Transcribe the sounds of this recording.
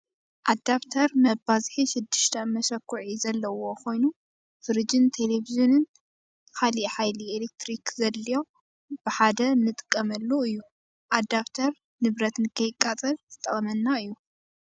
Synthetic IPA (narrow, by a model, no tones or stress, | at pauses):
ʔad̪aβt̪ʰɐɾmɐbazħiʃɪd̪ːɨʃt̪ʰɐmɐʃɐkːuʕizɐlːɐwo̞kʰo̞jnu | fɨɾɨd͡ʒɪnt̪ʰeleviʒinɨn | kʰaliħajlielek̚t̪ʰɾikzɐlːijo | b̥ɨħad̪ɐnɨt̪ʼɨ̥kʼːɐmɐlːoɨjːu | ʔad̪aβt̪ʰɐɾ | nɨβɾɐt̪nɨkʰɐjɪkʼːat͡sʼɐlzɨt̪ʼːɐχʼɐmɐnːaɨjːu